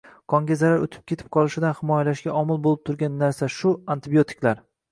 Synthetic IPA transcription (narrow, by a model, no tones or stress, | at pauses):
kʰɒŋɡʲazaɾaɾot̪ʰɪ̥p̚kʲʰe̞t̪ʰɪ̥p̚qʰɒlˠɪʃɪd̪anhɪmɒjalaʃɡʲaʔɒmɪlˠbolˠɪp̚t̪ʰʊɾɡʲanːaɾsaʃʊant̪ɪbijo̞t̪ʰɪ̥kʲlaɾ